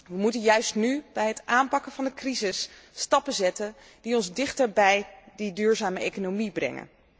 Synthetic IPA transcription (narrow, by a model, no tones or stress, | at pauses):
ʋəmutənjœɥstnyb̥ɛjɦətʔaːmpɑkənvɑndəkrizɪsːtɑpəzɛtən | d̥iɔnzdɪχtəɹbɛjdidyːɹzaːməejkonomibrɛ̰ŋə̰n